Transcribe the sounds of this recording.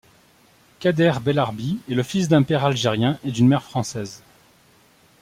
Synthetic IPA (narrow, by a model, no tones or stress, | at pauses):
kad̪ɛʁbelaʁbiɛləfisd̪ɛ̃pɛʁalʒeʁjɛ̃ʔed̪ynmɛʁfχɑ̃sɛz